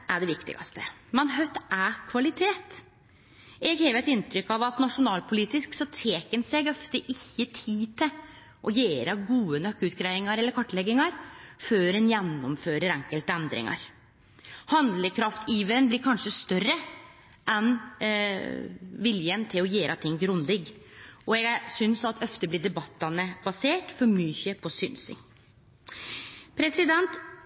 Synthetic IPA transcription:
ʔæɖɛʋɪkt̪ɪ̰ɡɑ̰st̪əmɛnɦœt̪ækʰʋɑlɪt̪ʰeːt̪ | ɛɡheːʋəɾɛt̪ɪnt̪ɾʏkːɑʋɑt̪nɑʂʊnɑːlpʰʊliːt̪ɪsksɔt̪ʰeːkənseɡɔft̪əʔɪçːət̪ʰiːt̪ʰɪ | ʔɔjeːɾəɡuːənœkːəʉːt̪ɡɾæɪɪŋɑɾɛlːəɾkʰɔʈːlɛɡɪŋɑɾføːɾɛnjɛnːɔmføːɾəɾɛŋkəlt̪əɛnd̪ɾɪ̰ŋɑ̰ɾ | hɑnd̪ləkʰɾɑft̪ʰiːʋəɾənblɪɾkʰɑnʂəst̪œrə | ʔɛn | ʋɪljənt̪ʰɪlɔjeːɾʔɑt̪ʰɪŋːɡɾʊnd̪ɪɡɔɛɡsʏnsɑt̪ʰœft̪əblɪɖ̪ɛbɑt̪ːɑnəb̥ɑseːʈfɔɾmyçəpʰɔsʏnsɪ̰ŋ | pʰɾɛsɪd̪ɛnt̪

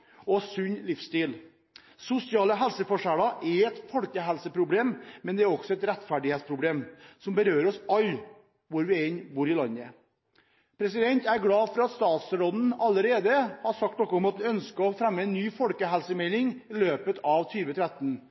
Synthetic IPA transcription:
ɔsʉɲlɪfst̪iːl | sʊsɪɑːləɦɛlsəfɔʂæːɽɑʔɛɾɛt̪fɔlkəɦɛlsəpʰɾʊbleːmmɛnd̪ɛæɾɔksɔɛt̪ɾɛt̪fæɖɪheːt̪spʰɾʊbleːmsɔmbəɾøːɾɔsɑl | ʋʊɾʋɪɛɪnbuːɾɪlɑnːə | pʰɾɛsɪd̪ɛnt̪æɾɡɽɑːfɔɾɑɑt̪st̪ɑːt̪sɾoːd̪n̩ɑləɾeːd̪əhɑsɑk̚t̪nɔkːɔɔmɑt̪̚ʋɪœnskəɔfɾæmːəɛnːyːfɔlkəɦɛlsəmɛlɪŋɪløːpət̪ʰɑʋt̪ʰyːʋət̪ʰɾæt̪ːn̩

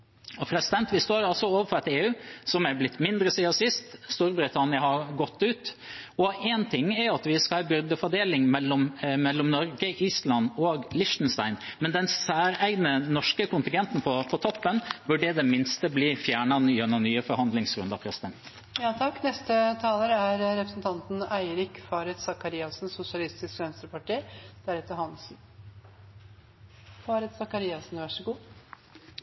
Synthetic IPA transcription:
ɔpʰɾɛsɪd̪ɛnt̪ʋɪst̪oːɾɑlsɔoːʋəfɔɾɛt̪eːʉːsɔmæɾblɪt̪ːmɪnd̪ɾəsiːɑsɪst̪st̪uɾbɾɪt̪ʰɑnɪəhɑɾɡɔt̪ːʉːt̪ɔɛnt̪ʰɪŋːæɾɑt̪ʋɪskɑbʏɾd̪əfɔɖ̪eːlɪŋmɛlːɔmmɛlːɔmnɔɾɡəʔiːslɑnoːɡlɪʂt̪nst̪ɑɪnmɛnd̪ɛnsæːɾæɪɡnənɔʂkəkʊnt̪ɪŋɡɛnt̪n̩pʰɔpʰɔt̪ʰɔpːənbʉɖɛd̪ɛmɪnst̪əbliːfjæːɳɑnɪɛnɑnyːəfɔɾhɑnd̪lɪŋsɾʉnd̪ɑpʰɾɛsɪd̪ɛnt̪ | jɑːt̪ʰɑkːnɛst̪ət̪ʰɑːləɾəæɾɾɛpɾəsnt̪ʰɑnt̪n̩æɪɾɪkfɑːɾɛt̪sɑkɑɾiːɑsn̩sʊsɪɑlɪst̪ɪskʋɛnst̪ɾəpɑʈiːd̪̥æɾɛt̪ːəɾhɑns | fɑːɾɛt̪sɑkɑɾiːɑsn̩ʋæʂəɡuː

